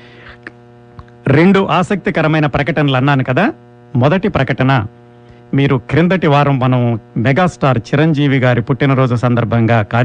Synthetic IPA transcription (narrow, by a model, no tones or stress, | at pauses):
ɾeɳɖuʔaːsɐk̚t̪ikɐɾɐmɐjnɐpɾɐkɐʈɐnɐlɐnːaːnukɐd̪aː | mɔd̪ɐʈipɾɐkɐʈɐnɐ | miːɾukɾind̪ɐʈiʋaːɾɐmːɐnɐmmɛɡaːsʈaːɾt͡ʃiɾɐɲd͡ʒiːʋiɡaːɾipuʈːinɐɾoːd͡ʒulɐsɐnd̪ɐɾbʱɐŋɡaːkaː